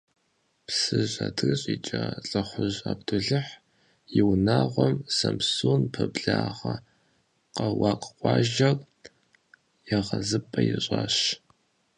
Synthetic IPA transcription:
psɨʑadʰɨrɕʼit͡ʃʼɐɬʼɐχʷʊʑaːbdʰʊɮɨħ | jɪwnaːʁʷɔmsɐmsunpʰɐbɮaːʁɐ | qɐwɑːqʼqʷʼɑːʒɐr | jɛʁɐzɨpʼɐjɪɕʼaːɕ

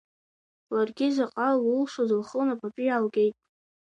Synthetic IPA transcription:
larɡʲɪzaqʼalʊlʂozɨlχənapʼapʼijalɡʲe̞jtʼ

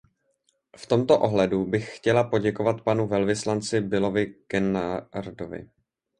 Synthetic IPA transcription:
ft̪o̞mt̪o̞ʔo̞ɦlɛdubɪxxcɛlapo̞ɟɛkovat̪panuvɛlvɪslant͡sɪbɪlo̞vɪkɛnaɾdovɪ̰

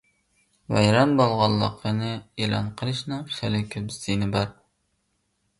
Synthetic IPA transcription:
vɛ̰jɾɑnbolˠʁɑlˠːə̰qʰənɨelˠɑ̰nqʰəlˠɨʃnɨŋʃælɪkʲʰøpz̥t̪ʰinɪbɑɾ

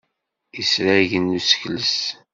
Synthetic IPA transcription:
isɾæʝənːusə̥çləs

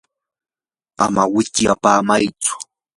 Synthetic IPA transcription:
amawɪt̪japaːmajt͡sʊ̥

